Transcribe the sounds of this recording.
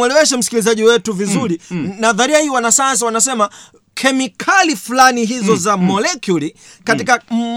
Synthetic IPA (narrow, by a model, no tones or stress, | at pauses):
wɛlɛwɛʃɛm̩si̥kilizaʄiwɛtuvizuɾinaðaɾiahiwanasaans̬awanasɛma | kʰɛmikʰalifulaniɦizɔzamɔlɛkjulikatikam̩